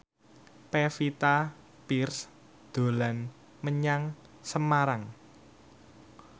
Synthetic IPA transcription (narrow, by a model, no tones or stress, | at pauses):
pefit̪a | pirs | d̪̥o̤lan | məɲaŋ | səmaɾaŋ